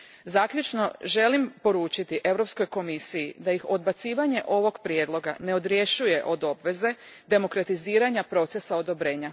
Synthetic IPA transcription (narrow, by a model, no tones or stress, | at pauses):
zaːkʎʲut͡ʃno̞ʒe̞limpo̞ɾuːt͡ʃit̪iʔe̞ʋwɾo̞psko̞jko̞misijid̪ajixo̞d̪̚bat̪siːʋaɲe̞ʔo̞ʋo̞ɡpɾje̞d̪lˠo̞ɡa̰ne̞o̞d̪ɾje̞ʃuje̞ʔo̞d̪o̞bʋe̞ze̞ | d̪e̞mo̞kɾat̪iziːɾaɲapɾo̞t̪se̞sao̞d̪o̞bɾe̞ːɲa